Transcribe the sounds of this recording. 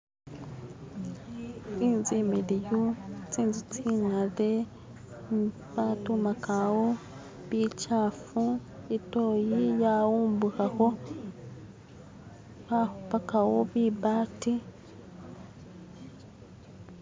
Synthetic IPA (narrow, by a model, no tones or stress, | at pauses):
t͡siːnzimilijot͡siːnzit͡siŋale | βatumakawo | βit͡ʃaːfuitojijawuːmbukaho | βaupakawoβibati